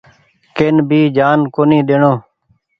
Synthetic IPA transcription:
keːnbʱiːd͡ʒaːnkoːnĩːɗeːɳoː

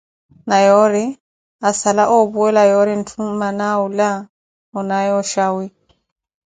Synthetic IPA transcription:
najɔɾi | asalaʔɔbuɛlajɔɾin̩tʰumanaula | ɔnajɔʃawi

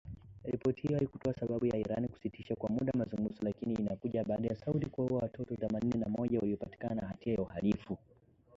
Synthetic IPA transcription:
ɾipɔtihijɔhalikutɔasaɓaɓujaiɾaniku̥sitiʃakwamuɗamazuŋɡuzɔlakiniːnakuʄaɓaːɗajasautikwahuwawatʰɔtɔθɛmaninɛnamɔʄawaliɔpati̥kananahatiajauhalifu

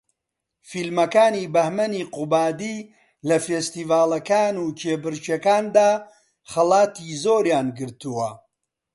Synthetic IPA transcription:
filmɐkaːniːbɐhmɐniːqubaːd̪iː | lɐfeːst̪iːvaːlɐkaːnuːt͡ʃʰeːbɨɾt͡ʃekaːnd̪aː | xɐlaːt̪ʰiːzoːɾjaːnɡɨɾt̪uwɐ

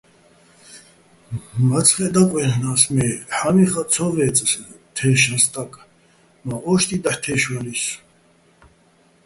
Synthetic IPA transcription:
vat͡sʰχɛd̪akʼwɛhnasmɛħamiχat͡sʰɔvɛːt͡sʼs | t̪ʰɛːʃast̪ʼakʼ | maʔɔʃt̪ʼid̪aħt̪ʰɛːʃwalis

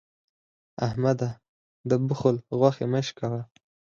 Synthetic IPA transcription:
ahmad̪a | d̪əbʊxʊlɣwaxemeʃkawa

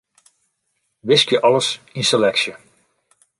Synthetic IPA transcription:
ʋɪskjəʔɑləsinselɛksjə

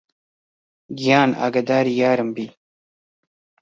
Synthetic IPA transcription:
ɡijɑːna̰ːɡɐd̪aːɾijaːɾɐmbi

